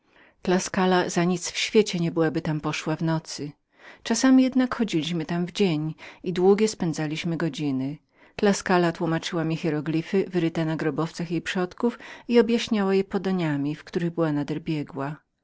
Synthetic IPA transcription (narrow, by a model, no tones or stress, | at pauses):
klaskalazaɲit̪sfɕfʲjet͡ɕɛɲɛbɘwabɘt̪ampɔʂwavnɔt̪sɘ | t͡ʂasamʲijɛd̪nakxɔd͡ʑilʲiɕmɘt̪amvd͡ʑeɲid̪wuɡʲjɛspɛnd̪zalʲiɕmɘɡɔd͡ʑinɘ | klaskalat̪wumat͡ʂɘwamʲixɛɾɔɡlʲifɘvɘɾɘt̪anaɡɾɔbɔft̪saxjejpʂɔt̪kufiɔbjaɕɲawajɛpɔd̪ɔɲamʲifkt̪uɾɘɣbɘwanad̪ɛɾbʲjɛɡwa